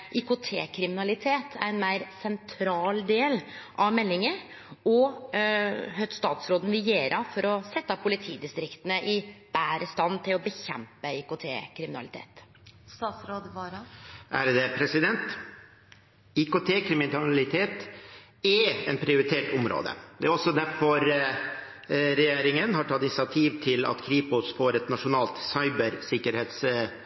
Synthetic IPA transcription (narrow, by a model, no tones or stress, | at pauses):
ʔɪkʊt̪ʰḛːkʰɾɪmɪnɑlɪt̪ʰeːt̪ʰæ̰ɾɛnmæɪɾsɛnt̪ʰɾɑːld̪eːlʔɑʋmɛlːɪŋə | ɔ | hœt̪st̪ɑːt̪sɾoːd̪n̩ʋɪjeːɾʔɑfɔɾɔsɛt̪ːɑpʰʊlɪt̪ʰiːd̪ɪst̪ɾɪkt̪ənəʔɪb̥æːɾəst̪ɑnːt̪ʰɪlɔbəçɛ̰mpəɪkʊt̪ʰḛːkʰɾɪmɪnɑ̰lɪt̪ʰḛːt̪ | st̪ɑːt̪sɾoːd̪ʋɑːɾɑʔæɾd̪ɛpʰɾɛsɪd̪ɛnt̪ | ɪkʊt̪ʰeːkʰɾɪmɪnɑlɪt̪ʰeːt̪ | ɛɛnpʰɾɪʊɾɪt̪ʰeːʈʊmɾo̰ːd̪ə̰d̪ɛæɾɔsːɔd̪æɾfɔɾ | ɾɛjeːɾɪŋənhɑʈʰɑt̪ːɪnsɪɑt̪ʰiːʋt̪ʰɪlɑ̰t̪kʰɾiːpʊsfoːɾɛt̪nɑʂʊnɑːlt̪sɑɪbəɾsɪkːəɾheːt̪s